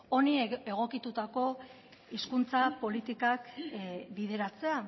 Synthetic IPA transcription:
o̞nie̞ɣo̞kit̪ut̪ako̞ | iskunt͡sapo̞lit̪ikakbið̞e̞ɾat͡se̞a

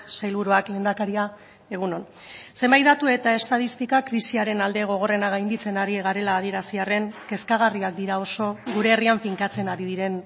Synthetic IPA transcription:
sajlβuɾuakle̞ːnd̪akaɾia | e̞ɣ̞uno̞n | se̞mbajt̪d̪at̪ue̞t̪ae̞st̪aðist̪ikakɾisiaɾe̞nald̪e̞ɣ̞o̞ɣ̞o̞re̞naɣajnd̪it͡se̞naɾiɣaɾe̞laːð̞ie̞ɾasiare̞ŋke̞skaɣ̞ariak̚d̪iɾao̞so̞ɣuɾe̞ːriamfiŋkat͡se̞naɾiðiɾe̞n

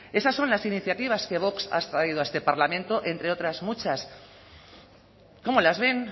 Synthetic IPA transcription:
e̞sasːonlasiniθjat̪iβ̞aske̞βo̞ksa̰st̪ɾaiðoaest̪epaɾlamẽnt̪o̞ʔent̪ɾe̞o̞t̪ɾazmut͡ʃas | ko̞molazβe̞n

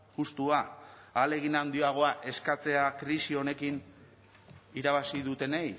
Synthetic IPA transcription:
ʝust̪uaale̞ɣ̞inand̪ioaɣ̞o̞aʔe̞skat͡se̞akɾisio̞ne̞kin | iɾaβ̞asiðut̪e̞nej

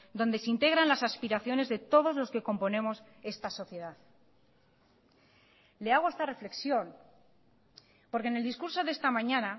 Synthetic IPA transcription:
d̪o̞nd̪e̞sint̪e̞ɣ̞ɾanlasaspiɾaθjo̞ne̞zðe̞t̪o̞ð̞o̞zlo̞ske̞ko̞mpo̞nẽ̞mo̞s | e̞st̪aso̞θje̞ðað | le̞aɣ̞oest̪are̞fle̞ksjo̞n | po̞ɾkene̞ld̪iskuɾso̞ðest̪amãɲãna

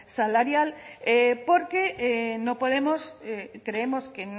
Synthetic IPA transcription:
salaɾjalepoɾkeenõpoð̞emosekɾeemosken

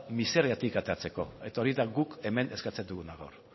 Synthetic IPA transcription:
miseɾeat̪ikat̪e̞ɾat͡se̞ko̞̰e̞t̪ao̞ɾiðaɣuke̞me̞ne̞skat͡se̞nd̪uɣunaɣa̰wr

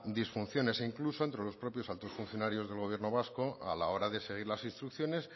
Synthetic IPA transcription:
d̪isfunθjo̞ne̞siŋkluso̞ent̪ɾe̞lo̞spɾo̞pjo̞salt̪o̞sfunθjo̞naɾjo̞zðe̞lɣo̞β̞je̞ɾno̞β̞askoa̰lao̞ɾaðe̞se̞ɣ̞iɾlasĩnst̪ɾukθjo̞ne̞s

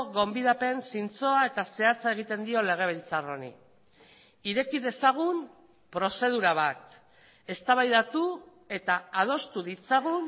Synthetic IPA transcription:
ɣo̞mbiðape̞nsint͡so̞ae̞t̪ase̞at͡sae̞ɣ̞it̪e̞nd̪io̞le̞ɣ̞e̞β̞ilt͡saro̞nḭ | iɾe̞kiðe̞saɣ̞um | pɾo̞se̞ð̞uɾaβat̪ | e̞st̪aβajðat̪u | e̞t̪aað̞o̞st̪uðit͡saɣ̞un

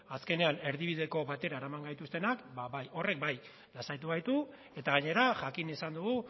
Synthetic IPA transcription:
aske̞ne̞ane̞ɾðiβ̞iðe̞ko̞βat̪e̞ɾaeɾamaŋɡajt̪ust̪e̞nakbaβajo̞re̞k̚baj | lasajt̪uɣajt̪u | e̞t̪aɣ̞aɲe̞ɾaʝakinisand̪uɣu

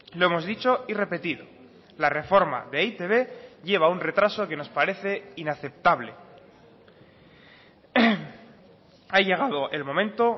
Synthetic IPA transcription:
lo̞e̞mo̞zðit͡ʃo̞ire̞pe̞t̪iðo̞ | lare̞fo̞ɾma̰ðe̞it̪e̞βe̞ʝe̞β̞aunre̞t̪ɾaso̞ke̞no̞spaɾe̞θe̞inaθe̞p̚t̪aβle̞ | aʝe̞ɣ̞aðo̞ʔe̞lmo̞mẽ̞nt̪o̞

